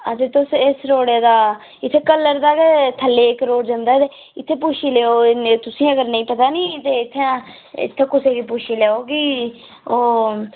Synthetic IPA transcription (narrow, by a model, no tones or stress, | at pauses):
ət̪eːt̪ʊsesɾoːɽeːd̪aː | ɪt̪ʰːeːkəlːəɾd̪aːket̪ʰəlːeːkɾoːɽd͡ʒə̃nd̪aːt̪e | ɪt̪ʰːeːpʊʃʰiːleːoːt̪ʊsĩːəɡəɾnəĩːpət̪aːnĩːt̪eːɪt̪ʰːẽ | ɪ̰t̪ʰːeːkʊseːɡiːpʊʃʰiːleːoːɡiː | oː